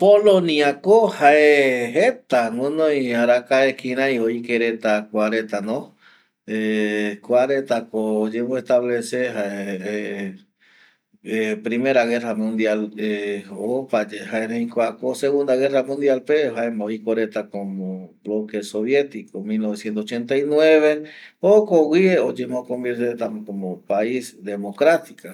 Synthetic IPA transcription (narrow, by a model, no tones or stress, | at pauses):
polõniakohaeɦet̪aŋõnõjaɾakaekiɾ̃ãjoikeɾet̪akʷaɾet̪anõ | ekʷaɾet̪akod͡ʒeβoest̪aβlesehae | pɾime̞ɾaɣe̞ramũnd̪jaleopad͡ʒehaeneĩkʷakoseɣund̪aɣeramũnd̪jalpehaemoikoɾet̪akomoblokesoβjet̪ikomilnoβesjent̪osot͡ʃent̪ainweβeokowwieod͡ʒemokombeɾt̪et̪amkomopaisd̪emokɾat̪ika